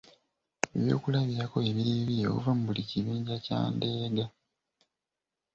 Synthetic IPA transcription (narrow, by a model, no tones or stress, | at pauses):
e̞βjo̞̰ːkulaβjɾako̞eβiɾeβijeo̰ṵvamubuliciβiːɲɟaca̰ːndeːɡa